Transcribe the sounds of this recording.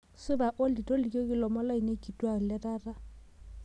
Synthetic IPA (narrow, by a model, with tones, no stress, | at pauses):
sɪ˦ba˨ʔo˦li˨tʼɔ˦li˨kʼo˦kʼɪ˦lɔ˨mɔ˦la˦i˨ne˦kʼi˨tʼwa˨ɣ̩˨lɪ˦raː˦ra˦